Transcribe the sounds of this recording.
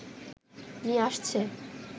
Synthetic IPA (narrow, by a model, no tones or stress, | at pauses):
miaʃt͡sʰɛ